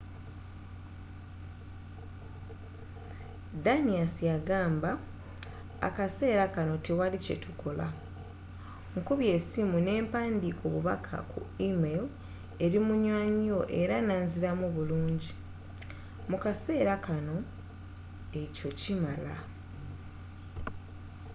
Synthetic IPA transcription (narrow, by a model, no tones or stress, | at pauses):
daniasijaɡaːmba̰ː | kase̞ːɾakano̞te̞walice̞̰tʰukʰo̞la̰ | ŋkuβje̞ːsimune̞ːmpaːndikʰo̞βuβa̰kʰa̰kṵimel | e̞ɾimuɲwaːɲio̞ʔe̞ɾanaːnziɾamuβuluːɲɟi | mukase̞ːɾakano̞ | e̞co̞cimala̰